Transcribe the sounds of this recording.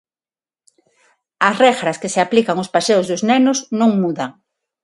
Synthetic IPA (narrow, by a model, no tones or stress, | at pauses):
asrɛxɾaskeseaplikaŋospaseozðʊznɛnʊznõŋmuðaŋ